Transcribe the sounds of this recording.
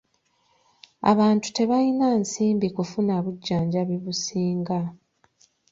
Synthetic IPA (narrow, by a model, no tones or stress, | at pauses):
a̰βaːntu̥te̞βajinansiːmbikufunaβuɟːaːɲɟaβiβusiːŋɡa